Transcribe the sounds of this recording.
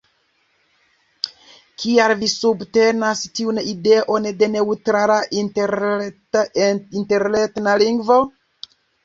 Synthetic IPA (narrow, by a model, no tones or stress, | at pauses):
kʰialvisubte̞nastiunide̞ʔo̞nde̞ne̞utɾala | inte̞ɾle̞tnaliŋɡvo̞